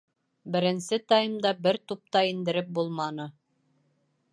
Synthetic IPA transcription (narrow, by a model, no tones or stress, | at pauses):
bɘ̆ɾɘ̆nsɘt̪ɑjɤ̆md̪ɑbɘɾt̪up̚t̪ɑind̪ɘ̆ɾɘp̚bulˠmɑnɤ